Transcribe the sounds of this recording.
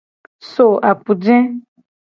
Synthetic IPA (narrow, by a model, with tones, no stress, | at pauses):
so˨ʔa˨k͡pu˨d͡ʒɛ̃˦